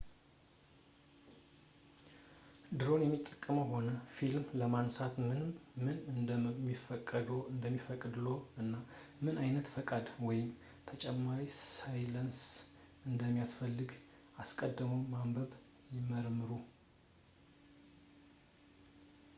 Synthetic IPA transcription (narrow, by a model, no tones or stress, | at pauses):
d̪ɨɾo̞njɛmːit̪ʼːəkʼːəməho̞nəfilmləmansat̪mɨnɨmːɨnɨnmːifəkʼːəd̪ɨnd̪əmːifəkʼɨd̪lo̞ɨnːamɨnajnət̪fəkʼad̪wɔjɪm | t̪ʰət͡ʃʼɛmːaɾisajləns | ɨnd̪əmːijasfəlːɨɡ | askʼəd̪ːɨməwmambəβ | jɪməɾmːɨɾu